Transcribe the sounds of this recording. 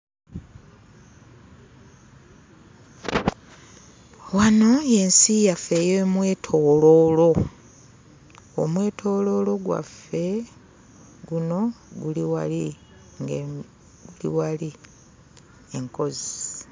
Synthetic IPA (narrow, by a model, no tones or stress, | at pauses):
wano̞je̞nsijafe̞jeːmwe̞ːtʰo̞ːlo̞ːlo̞ | o̰mwe̞ːtʰo̞ːlo̞lo̞ɡwa̰fe̞ | ɡuno̞ɡuliwali | ŋ | ɡulḭwali | eŋko̞zi